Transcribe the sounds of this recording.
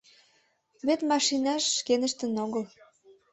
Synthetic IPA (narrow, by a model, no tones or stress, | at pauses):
βet̪mɑʃinɑʃːkenə̆ʃt̪ə̆noɣəl